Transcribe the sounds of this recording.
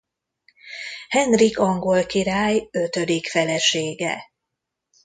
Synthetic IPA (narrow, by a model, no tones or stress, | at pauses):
hɛnrikɒŋɡo̞lkiɾaːjø̞t̪ød̪ikfɛlɛʃeːɡɛ̰